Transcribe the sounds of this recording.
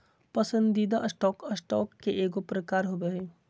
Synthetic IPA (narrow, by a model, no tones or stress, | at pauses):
pɐsə̃nd̪iːd̪aʔsʈɔːkəsʈɔːkːeʔeːɡopɾəkaːɾɦoɡəɦeː